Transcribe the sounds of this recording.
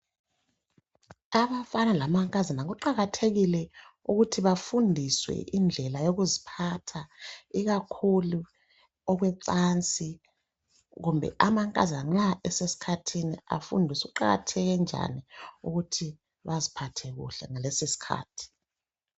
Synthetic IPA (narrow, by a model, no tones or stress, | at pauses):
aβafanalamaŋkʼazanaɣuǃaɣatʰeɣilɛuɣutʰiβafundʱiswɛ̰ʔind͡ɮʱɛlajoɣuzipʰatʰaiɣakʰulu | ɔɣwɛǀant͡sʼi | ɣumbʱɛ̰ʔamaŋkʼa̰zaŋ͡ǁaɛsesi̥kʰatʰinia̰fṵndʱisuuǃaɣa̰tʰɛɣɛnd͡ʒʱa̰niṵɣutʰi | βazipʰatʰɛɣṵɬɛ̰ŋalesisi̥kʰa̰ːtʰi̥